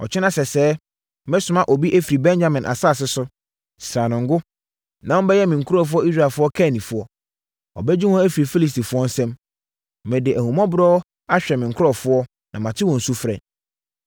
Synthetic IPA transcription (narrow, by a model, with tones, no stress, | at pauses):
ɔ̰˨t͡ɕʰɪ˦nã˦sɛ˨sɛː˦ | mɛ˦sʊ̃˨mã˦˨ʔɔ˨bi˦ʔæ˦fi˨ɾi˨bɛ̃˦ɲd͡ʑa˦mɪ̃˨nʔa̰˨sa˦˨s̬ɪ˦sʊ˦ | sɾãː˨nʊ̃˨ŋ̩˦ɡʊ˦ | nã˨wbɛ˦jɛ˦mɪ̃˨ŋ̩˨kʰʊ˦ɾɔ˦˨f̬ʊ˦ɔ˦i˦s̬ɾa˨fʊ˦ɔ˦kʰɛ˦˨nĩ˨fʊ˦ɔ˦ | ɔ̰˨bɛ˦d͡ʑi˦ɔ̃˦æ˦fi˨ɾi˨fi˦li˨s̬ti˨fʊ˦ɔ˦n̩˦sɛ̃˦m | mɛ̃˨dɪ˨ʔæ˨hũ˨mã˦bʊ˨ɾɔː˦ | a˦ɕᶣɛ˨mɪ̃˨ŋ̩˨kʰʊ˦ɾɔ˦˨fʊ˦ɔ˦ | nã˨mã˨tʰɪ˦wɔ̃˨n̩˨su˦fɾɛ̰̃˨